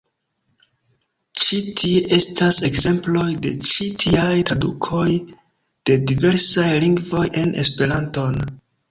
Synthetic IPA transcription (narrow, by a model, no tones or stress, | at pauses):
t͡ʃitʰie̞ʔe̞stase̞ɡze̞mplo̞jde̞̰t͡ʃitʰiajtɾadukʰo̞j | d̥e̞dive̞ɾsajliŋɡvo̞je̞nʔe̞̰spe̞ɾanto̞n